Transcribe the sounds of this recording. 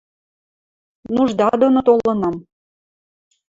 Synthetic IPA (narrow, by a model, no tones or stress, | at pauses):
nuʒd̪ɑd̪onot̪olɤ̆nɑm